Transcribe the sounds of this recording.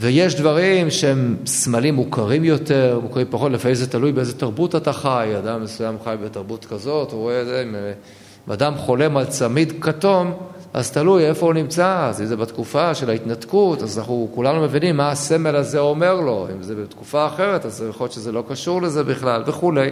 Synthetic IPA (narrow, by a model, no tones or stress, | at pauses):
vejeʃdvaʁimʃeemsmalimːukaʁimjo̞teʁmukaʁimpaχo̞tlefaimzetalujbeezet̪aʁbutataχajadamːesujamχajbetaʁbut̪kazo̞tuʁoezeim | ima̰damχo̞le̞malt͡samidkato̞mʔa̰zt̪aluje̞fo̞unimt͡sazizebatkufaʃelait̪natkutazanaχnukulanume̞vinimːaase̞me̞lazeo̞me̞ʁlo̞ḭmzebet̪kufaːχe̞ʁe̞tazeeχoʃezelo̞kaʃuʁle̞ze̞biχlalve̞χule̞j